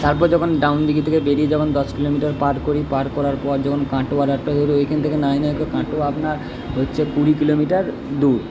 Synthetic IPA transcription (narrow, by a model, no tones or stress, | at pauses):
t̪aɾp̬ɔɾd͡ʑɔkʰonɖawnd̪iɡit̪ʰekebeɾied͡ʑabond̪ɔskilomiʈaɾpaɖkoɾipaɾkɔɾaɾpɔɾd͡ʑɔkʰonkãʈoaɾaʈːoɦoɾoekʰent̪ʰekenajnaekokãʈoapnaɾ | ɦotːɕʰekuɾikilomiʈaɾ | d̪uɾ